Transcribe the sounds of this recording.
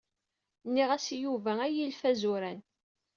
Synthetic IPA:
nːiʁæsjuvææjilfæzʊɾæn

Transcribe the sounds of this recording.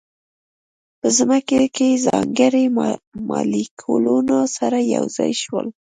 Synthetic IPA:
pəzmakekezɑŋɡəɾemmɑlikʰolonɑsaɾajawzɑjʃwəl

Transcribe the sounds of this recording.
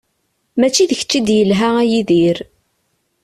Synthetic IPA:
mæt͡ʃːiðəçə̥t͡ʃːid̪jəlɦææjiðiɾ

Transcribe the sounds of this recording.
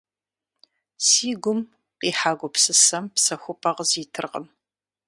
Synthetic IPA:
siːɡʷʊm | qiːħaːɡʷʊpsɨsɐmpsɐxʷʊpʼɐʁziːtʰɨrʁə̰m

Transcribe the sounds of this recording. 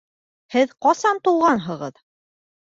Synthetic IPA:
hɘðqɑsɑnt̪ulˠʁɑnɦɤ̆ʁɤð

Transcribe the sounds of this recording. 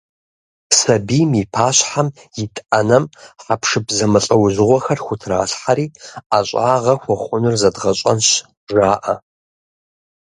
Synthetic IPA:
psɐbiːmipʰaːɕħam | jɪtʼɐnɐmħapʰʂɨpzɐmɨɬʼɐwʑɪʁʷɔxɐrxʷʊtʰra̰ːɬħaɾiːaɕʷʼaːʁɐxʷɔχʷʊnɨrzɐdʁɐɕʷʼɐ̰nɕ | ʒaːʔɐ

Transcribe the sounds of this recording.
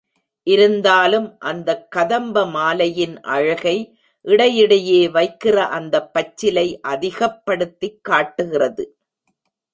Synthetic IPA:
ʔɪɾɯnd̪aːlɯmʔɐnd̪ɐkːɐðɐmbɐmaːlɐjɪnʔɐ̰ɻɐɣɐɪ | ʔɪɽɐjɪɽɐjeːʋɐɪkːɪrɐʔɐnd̪ɐpːɐt͡ʃːɪlɐɪʔɐðɪɣɐpːɐɽɯt̪ːɪkːaːʈːɯɣɪrɐðɯ

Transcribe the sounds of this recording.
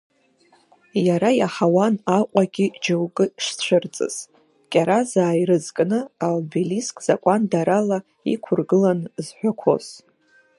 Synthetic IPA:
jaɾajaħawanaqʷʼaɡʲid͡ʒowkʼɨʂt͡ɕʷʰɨrt͡sʼɨ̰z̥ | kʲʼaɾazaːjɾɨzkʼnɨalbeliskʼz̥akʷʼandaɾala | ḭkʷʰʊrɡɨlanzħʷᶣakʷʰo̞̰z

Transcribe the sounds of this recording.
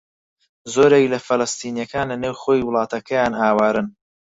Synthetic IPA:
zoːɾeklɐfɐlɐst̪iːnjɐkaːnlɐneːwχoːjiwʊlˠɑːt̪ɐkʰɐjaːnaːwaːɾɨn

